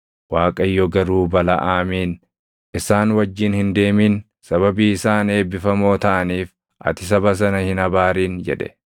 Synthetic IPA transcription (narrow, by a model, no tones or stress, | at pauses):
waːkʼɐjːɔɡɐɾuːbɐlɐ̰ʔaːmiːn | ʔɪsaːnwɐd͡ʒːɪnhɪnd̪e̞ːmiːn | sɐβɐbiːɪsaːne̞ːbɪfɐmo̞ːt̪ɐʔɐniːf | ʔɐ̰t̪ɪs̬ɐbɐs̬ɐnɐhɪnɐbaːɾiːnd͡ʒɛ̰ᶑɛ̥̰